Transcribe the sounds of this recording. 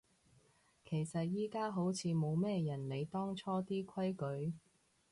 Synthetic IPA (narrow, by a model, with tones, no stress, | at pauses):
kʰe˨˩jsɐ˨t̚jiː˥kaː˥ɦo˨˥wt͡sʰiː˨˧mo˨˧wmɛː˥jɐ˨˩nle˨˧jt̪ɔː˥ŋt͡ʃʰɔː˥t̪iː˥kʰɐ˥jkɵ˨˥ɥ